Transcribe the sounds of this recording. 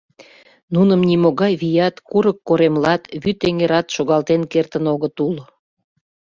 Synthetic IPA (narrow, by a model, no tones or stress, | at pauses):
nunəmnimoɣɑjβijɑt̪kuɾəkːoɾemlɑt̪βyt̪eŋeɾɑt̪ʃoɣɑlt̪enkert̪ənoɣət̪ul